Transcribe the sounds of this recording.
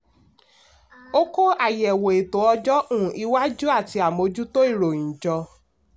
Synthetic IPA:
o˦ko˦a˦˨jɛ˨wo˨e˨to˨˦ɔ˧d͡ʒɔ˦ʔũ˦˨i˧wa˦d͡ʒu˦a˦˨ti˧a˨mo˨˧d͡ʒu˦to˦i˦˨ɾo˨ĩ˨d͡ʒɔ˧

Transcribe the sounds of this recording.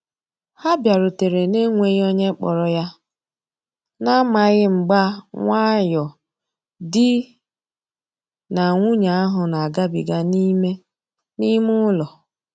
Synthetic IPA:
ha˦bja˨ɾʊ˨te˨ɾe˨ne˦ŋʷe˦ɣo˦ɲe˦k͡pɔ̰˨ɾɔ˦ja˦ | na˦ma˨ɣɪ˦ŋ͡m̩˨ɡ͡ba˦ŋʷa˦jɔ˨ | dɪ˦ | na˨ŋʷu˦ɲa˨a˦ɦʊ˨na˨a˨ɡa˦bḭ˨ɡa˦ni˦me˦ | ni˦mʊ˦lɔ˨

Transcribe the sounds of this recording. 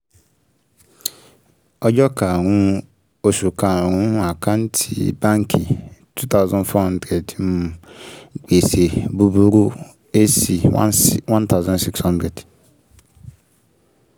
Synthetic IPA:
ɔ˦d͡ʒɔ˦ka˨ŋʊ̃˦ | o˨su˨ka˨ŋũ˦a˨kʰa˦n̩˦tʰḭ˨bã˦ŋkʰi˨tʰu˦t̪a˦ʊ˦zɔ̃˨nfɔ˦hã˦ndɾe˨dm˨ | k͡pe˨se˨bu˦bu˦ɾu˦ | e˦si˨wã˦nt̪a˦ʊ˦zɔ̃˦nsi˦kshɔ̃˦ndɾe˨d

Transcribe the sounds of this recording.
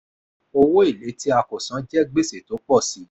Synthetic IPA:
o˧wo˦i˦˨le˨˦ti˦a˧kɔ˨sã˨˦d͡ʒɛ˦ɡ͡be˦se˦˨to˨˦k͡pɔ˦˨si˨˦

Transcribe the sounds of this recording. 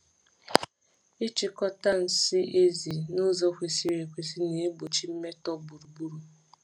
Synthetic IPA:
e˦t͡ʃi˨kɔ˦ta˦n̩˨si˦ʔe˦zi˨nʊ˦zɔ˦kʷe˨si˦ɾe˨kʷe˨si˦ne˨e˦bo˨t͡ʃi˦m̩˦me˦tɔ˦bu˨ɾu˨bu˦ɾu˦

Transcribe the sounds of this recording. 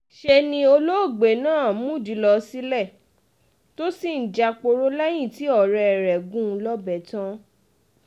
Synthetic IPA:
ʃe˧nĩ˧o˧lo˦o˦˨ɡ͡be˨nãː˦˨mũ˦˨di˨lɔ˧si˦lɛ˦˨ | to˦si˦˨n̩˨d͡ʒa˧k͡po˧ɾo˦la˦j̃ĩ˦˨ti˦ɔ˦˨ɾɛ˧ɛ˨ɾɛ˨ɡũ˦˧lɔ˦bɛ˨tã˦

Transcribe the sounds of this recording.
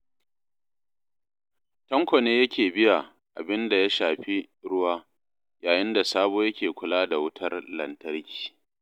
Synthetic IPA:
tɐ˦ŋkʷɔ˨neː˦jɐ˦kʲeː˨bɪ˦ja˨ | ʔa̰˨bɪ˦nda˨ja˦ʃaː˨ɸi˦ | ɽʊ˦waː˦ | jaː˨jɪ˦nda˨saː˦boː˦jɐ˦kʲeː˨kʷʊ˨laː˦da˨wʊ˦tʰɐ˦rlɐ̰˨ntɐ˦ɾkʲi̥ː˨

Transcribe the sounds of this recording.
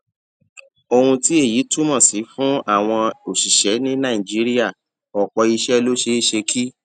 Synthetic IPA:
o˧hũ˧ti˦e˦˨ji˨˦tu˦mɔ̃˦˨si˨˦fũ˦a˦˨w̃ɔ̃˧o˨ʃi˨ʃɛ˨˦nĩ˦nã˦˨ĩ˨d͡ʒi˦ɾi˦a˦˨ | ɔ˨k͡pɔ˧i˧ʃɛ˦lo˦ʃe˧i˦ʃe˧kʰi˦

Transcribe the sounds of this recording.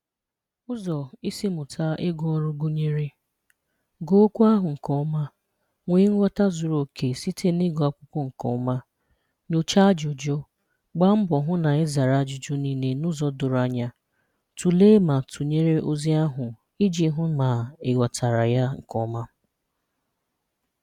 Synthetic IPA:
ʊ˦zɔ˨i˦si˦mʊ˨tʰa˦ʔɪ˦ɡɔ˦ɔ˦ɾʊ˦ɡʊ˦ɲe˦ɾi˦ | ɡo˦o˦kʷu˦a˦ɦʊ˨ŋ̩˨kɔ˦ma˦ | ŋʷe˨ɪ˦ŋ̩ʷ˦ɔ˦ta˦zʊ˨ɾo˨kʰe˨si˦tʰe˦ni˦ɡɔ˨a˨kʷʊ˦kʷɔ˦ŋ̩˨kɔ̰˨˦ma˦ | ɲo˨t͡ʃa˦d͡ʒʊ˨d͡ʒɔ˦ | ɡ͡ba˦m̩˦bɔ˨ɦʊ˦na˨ɪ˦za˨ɾa˨d͡ʒʊ˨d͡ʒʊ˦ni˦ne˦nʊ˦zɔ˦dʊ˨ɾa˨ɲa˦ | tu˨le˦ma˨tʰu˨ɲe˦ɾe˦ʔo˦zi˦a˦ɦʊ˨ | i˦d͡ʒi˨˦ɦʊ˦ma˨ɪ˨ɡʷa˨tʰa˨ɾa˨ja˦ŋ̩˨kɔ˦ma˦

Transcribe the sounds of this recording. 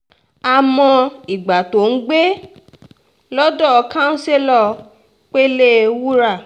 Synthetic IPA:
a˨mɔ̃˧i˨ɡ͡ba˨to˨n̩˦ɡ͡be˦ | lɔ˦dɔ˦˨˧kã˦n̩˦se˦lɔ˦˧ | k͡pe˦le˦wu˦ɾa˦˨

